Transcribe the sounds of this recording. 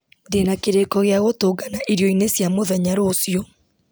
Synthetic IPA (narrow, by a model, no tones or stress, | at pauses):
ndenakeɾekɔɣeaɣotoːɡanaʔiɾjɔinesjamoðɛɲaɾoːsiɔ